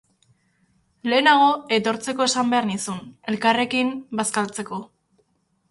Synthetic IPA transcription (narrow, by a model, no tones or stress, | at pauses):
le̞ːnaɣ̞o̞e̞t̪o̞ɾt͡se̞ko̞e̞sambe̞aɾnisune̞lkare̞kimbaskalt͡se̞ko̞